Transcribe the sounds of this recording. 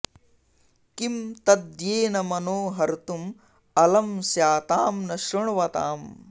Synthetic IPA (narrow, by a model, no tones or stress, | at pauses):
kimt̪ɐd̪jeːnɐmɐnoːɦɐɾt̪um | ɐlɐmsjaːt̪aːmnɐʃɾɐɳ̃uʋɐt̪a̰ːm